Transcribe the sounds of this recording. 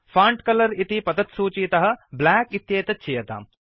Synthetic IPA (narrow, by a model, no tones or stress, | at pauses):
faːɳʈkɐlɐɾit̪ipɐd̪ɐt̪suːt͡ʃiːt̪ɐɦɐ̆blaːkit̪jeːt̪ɐtt͡ʃʰijɐt̪a̰ːm